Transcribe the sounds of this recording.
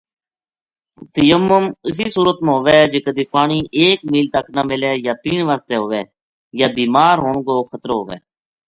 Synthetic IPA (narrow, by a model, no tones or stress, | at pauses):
t̪əjəmːəmɪs̬iːsuːɾət̪mãːɦoːʋeːd͡ʒeːkəd̪iːpaːɳiːʔeːkmiːlt̪əknəmɪleːjaːpiːɳʋaːst̪eːɦoːʋeː | jaːbiːmaːɾɦoːɳɡoːxʰət̪ɾːɦoːʋḛː